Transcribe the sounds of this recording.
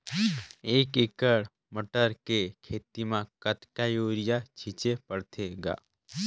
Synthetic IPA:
eːkɪkəɽ | məʈəɾkekʰeːt̪imãkət̪kajoːɾɪjat͡ʃʰɪt͡ʃepəɽt̪ʰeɡa̰ː

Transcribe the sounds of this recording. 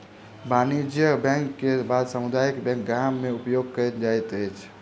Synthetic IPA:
banid͡ʒjəbɛ̃ŋkːebad̪səmud̪aikbɛ̃ŋk̚ɡamːeupjoɡ̚kəd͡ʒajt̪əjt͡ʃʰ

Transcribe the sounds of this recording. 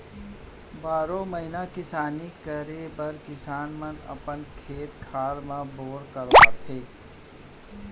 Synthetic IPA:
baːɾõməɦɪnakɪsaːnikəɾebəɾkɪsaːnmənə̰pənkʰeːt̪̚kʰaːɾmãboːɽkəɾʋaːt̪ʰɦeː

